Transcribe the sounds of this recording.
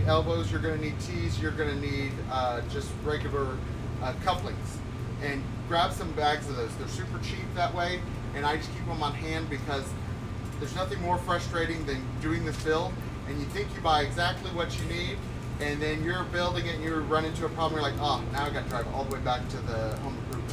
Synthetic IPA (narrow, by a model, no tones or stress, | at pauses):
ɛlˠboʊzjə˞ɡʌnɨnid̚tʰizjə˞ɡʌnɨnid | ʌd͡ʒʌst̚ɹɛɡjl̩ˠə˞ | ʌkʰʌplɪ̃ŋz̥ | ɨ̃n | ɡ̥ɹæb̥sʌ̃mbæɡz̥ʌvðoʊzðə˞sʉpə˞t͡ʃʰip̚ðɨʔ̚weɪ | ɨ̃ñaɪd͡ʒʌskʰipə̃mə̃nɦæ̃nbɨkʰʌz | ðə˞znʌθɪ̃ŋmɔɹfɹʌstɹ̥eɪɾɪ̃ŋðɨ̃ndʉɪ̃ŋðɪsb̥ɪlˠ | ɨ̃njɨθɪ̃ŋkjɨbaɪɨɡzæk̚tʰˡliwʌt͡ʃɨniɾ | ɨ̃nðɨ̃njə˞bɪlˠdɪ̃ŋɨn̩jə˞ɹʌ̃ñɪ̃ntʉəpʰɹ̥ɑblə̃mjə˞laɪkoʊnaʊaɪɡɑnɨdɹaɪvɔ̰lˠðəweɪbæk̚tʰɨðɨhõʊ̃mɡɹʉp